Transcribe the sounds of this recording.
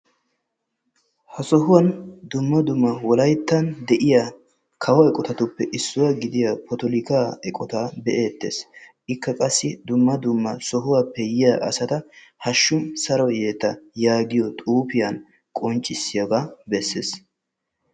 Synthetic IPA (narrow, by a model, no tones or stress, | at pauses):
hɐsɔɦʊwɐnd̪ʊmːɐd̪ʊmːɐwɔlɐjt̪ːɐnd̪ɛʔɪja | kʰɐwɐɛkʼɔt̪ɐt̪ʊpːɛʔɪsːʊwɐɡɪd̪ɪjɐpʰɔt̪ɔlɪkaːɛkʼɔt̪abɛʔeːt̪ːḛːsʔɪkːɐkʼɐsːɪd̪ʊmːɐd̪ʊmːɐsɔɦʊwɐpːɛjɪjaʔɐ̰sɐt̪ɐhɐʃːʊmsɐɾɔjeːt̪ːɐjaːɡɪjɔt̪ʼuːpɪjɐn | kʼɔnt͡ʃʼːɪsːɪjɐɡɐbɛsːḛs